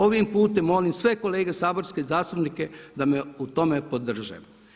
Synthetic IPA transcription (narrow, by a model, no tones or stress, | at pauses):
o̞ʋimpuːt̪e̞mːo̞limsʋe̞ko̞le̞ːɡe̞saːbo̞ɾskezaːst̪upnike̞d̪ameut̪o̞mepo̞d̪r̩ʒa̰ʋ